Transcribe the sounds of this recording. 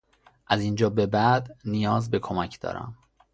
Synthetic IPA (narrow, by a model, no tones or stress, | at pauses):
ʔæzind͡ʒɒːbe̞bæd̪nijɒːzbe̞kʰomæcʰd̪̥ɒ̰ːɾæ̰m